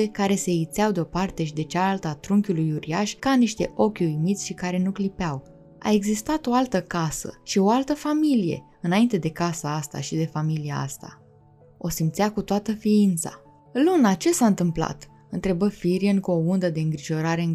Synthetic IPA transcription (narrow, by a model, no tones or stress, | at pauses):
e̞kaɾe̞se̞it̪seawd̪eo̞part̪e̞ʃid̪e̞t͡ʃalalt̪əat̪ɾuŋkʲulujuɾiaʃʲkaniʃt̪e̞̰ʔo̞kʲujmit̪sʲʃikaɾe̞nuklipeaw | a̰e̞ɡzist̪at̪o̞alt̪əkasə̰ʃio̞alt̪əfamilije̞̰ | ɨnaint̪e̞d̪e̞kasaast̪a̰ʃid̪e̞familia̰a̰st̪a̰ | o̞simpt̪sʲakut̪oat̪əfiint̪sa̰ | lunat͡ʃe̞saɨnt̪ɨmpla̰t̪ | ɨnt̪ɾe̞bəfiɾienkuo̞und̪əd̪e̞ɨŋɡɾiʒo̞ɾaɾe̞ɨ